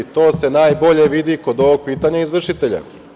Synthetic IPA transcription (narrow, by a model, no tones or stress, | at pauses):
t̪o̞ːse̞naːjbo̞ʎe̞ʋid̪iko̞d̪o̞ʋoɡ̚piːt̪aɲaizʋr̩ʃit̪e̞ʎa̰